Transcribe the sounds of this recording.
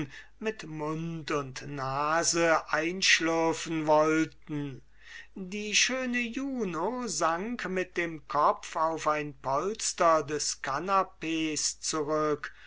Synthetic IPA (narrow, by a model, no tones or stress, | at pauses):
mɪtmʊntʊntnaːzəʔaɪnʃlœɐfn̩vɔltn̩ | diːʃøːnəjuːnozaŋkmɪt̚d̥eːmkʰɔfaʊfaɪnpʰɔlstɐdɛskʰanapeːst͡suʁʏk